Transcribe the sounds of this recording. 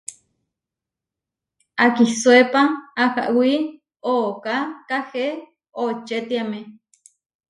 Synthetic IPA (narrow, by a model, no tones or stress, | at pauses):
akiswepaaha̰ʔwi | oʔokakahe | ot͡ʃet̪iame